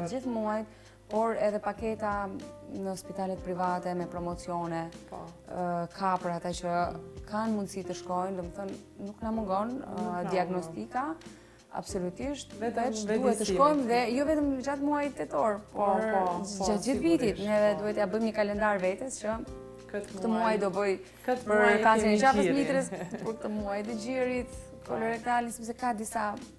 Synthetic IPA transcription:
d͡ʒiθmuajt̪ | pɔɾɛðɛpakɛt̪anəspit̪alɛt̪pɾivat̪ɛmɛpɾɔmɔt͡siɔnɛ | kʰapəɾat̪at͡ɕəkʰanmund̪sit̪əʃkɔjmd̪ɔmɛθɔnː | uknamuŋɡɔnd̪iaɡnɔst̪ika | a̰bsɔlut̪iʃt̪ɛd̪uɛt̪t̪ːəʃkɔjmðɛjɔvɛt̪əmd͡ʒat̪muajt̪ːɛt̪ɔɾpɔɾd͡ʒat̪d͡ʒiθvit̪it̪nɛðɛd̪uhɛt̪ɛabəjmɲəkalɛnd̪aɾvɛt̪ɛst͡ʃə | k̪əmuajd̪ɔbəj | pəɾkassinɛd͡ʒafəslit̪ɾɛspɔɾkət̪əmuajt̪əd͡ʑiɾit̪ | kɔlɔɾɛt̪alnsɛps̬ɛkad̪isa

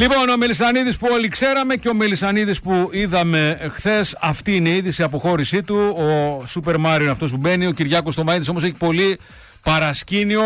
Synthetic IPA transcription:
lipo̞nome̞lisɐniðispuo̞likse̞ɾɐme̞ceo̞me̞lisɐniðispuiðɐme̞xθe̞sɐft̪iːine̞iiðisiɐp̬o̞xo̞ɾisit̪uosupe̞ɾmɐɾioineɐft̪o̞s̬ube̞nio̞ciɾʝɐko̞st̪omɐiðiso̞mose̞çi̥po̞li | pɐɾɐscinio̞

